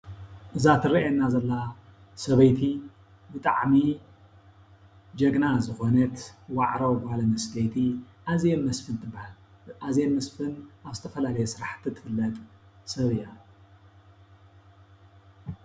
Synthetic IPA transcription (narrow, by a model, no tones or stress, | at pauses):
ʔɨzat̪ʰɨɾiʔɛnːazɐlːa | sɐβɐjt̪ʰi | bɨt̪ʼa̰ʕmi | d͡ʒɐɡnazɨxo̞nɐt̪waʕɾɐwbɨhalɐmɐsɡɐjt̪ʰi | ʔazjenmɐsfɨnt̪ʰɨbːahal | ʔazjenmɐsfɨnʔaβzɨt̪ʰɐfɐlalɐjɛsɨɾaħt̪ʰːit̪ʰɨ̥fɨlːɐt̪ʼsɐβɨja